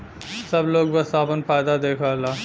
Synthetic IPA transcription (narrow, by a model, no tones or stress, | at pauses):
sɐbloːɡbəsaːpənpʰaːjd̪ad̪eːkʰalaː